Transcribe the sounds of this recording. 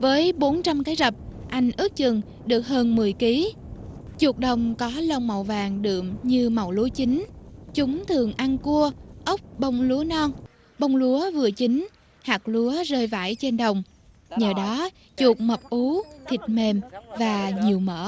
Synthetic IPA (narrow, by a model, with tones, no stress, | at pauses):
vəː˨˦jɓo˨˦nt͡ɕa˧mkaː˨˦jzə˨˩p̚ʔa˧jŋ̟ʔɨ˦˥k̚t͡ɕɨ˨˩ŋ | ɗɨ˨˩ək̚həː˧nmɨ˨˩əjki˨˦ | t͡ɕu˨˩k̚ɗə˨˩wŋ͡mkɔ˨˦lə˧wŋ͡mma˨˩wvaː˨˩ŋɗɨ̰˧˩˨əmɲɨ˧ma˨˩wlu˨˦ət͡ɕi˨˦ŋ̟t͡ɕʊ˨˦ŋ͡mt̪ʰɨ˨˩əŋʔa˧nku˧əʔə˦˥wk͡p̚ɓə˧wŋ͡mlu˨˦ənɔ˧n | ɓə˧wŋ͡mlu˨˦əvɨ˨˩ət͡ɕï˨˦ŋ̟ | haː˨˩k̚lu˨˦əzəː˧jva̰ː˧˩jt͡ɕe˧nɗə˨˩wŋ͡m | ɲəː˨˩ɗɔ˨˦ | t͡ɕu˨˩ək̚mə˨˩p̚ʔu˨˦t̪ʰi˨˩t̚me˨˩mvaː˨˩ɲi˨˩əwmə̰ː˧˥